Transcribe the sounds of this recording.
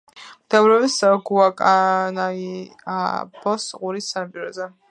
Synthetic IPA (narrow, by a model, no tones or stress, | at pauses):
d̪̥ɛvɾɛvisɡuakʼanaia̰b̥ɔsqʼuɾisːanapʼiɾɔzɛ